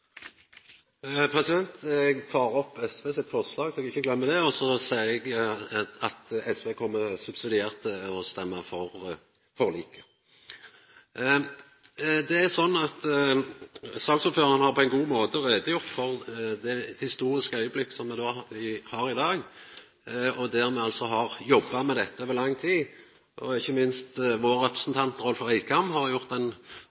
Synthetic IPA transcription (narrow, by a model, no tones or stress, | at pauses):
pʰʁɛsɪd̪ɛnt̪ɡt̪ʰɑːʁɔpːɛsʋeːsɪt̪fɔʁslɑːɡsɔɛɡɪçːəɡlɛmːəd̪ɛɔsɔsæɪɛɡ | ɑt̪ɛsʋeːkʰɔmːəsʉbsɪd̪ɪeːʁt̪ʰːɪɔst̪ɛmːəfɔʁ | fɔʁliːkə̥ | d̪ɛæɾsɔnːɑt̪ | sɑːɡsuːføːʁənəhɑʁpʰɔɛɪnɡuːmoːt̪əʁeːd̪əjʊʁt̪fɔɾd̪ɛhɪst̪uːɾɪskəœʏəblɪkːə̥sɔmːɛd̪oːɪhɑːɾɪd̪ɑːɡ | ɔd̪æʁmɛɑlt̪sɔɦɑʁjɔbːɑmɛd̪ɛt̪ːəoːʋəʁlɑŋːt̪ʰiː | ʔɔɪçːəmɪnst̪ʋoːɾːɛpɾə̥sn̩t̪ʰɑnt̪ːʁɔlfɔʁæɪkʰɑmhɑɾjʊʁt̪ɛn